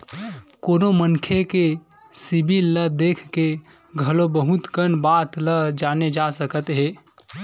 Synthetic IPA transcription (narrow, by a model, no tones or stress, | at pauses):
koːnomənkʰeke | sibʱilːəd̪eːkʰke | ɡʱəlobəɦut̪kənbaːt̪ləd͡ʒaːned͡ʒasəkət̪ɦeː